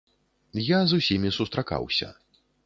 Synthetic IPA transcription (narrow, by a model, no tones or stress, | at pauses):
jazusʲimʲisust̪ɾaka̰wsʲɐ̰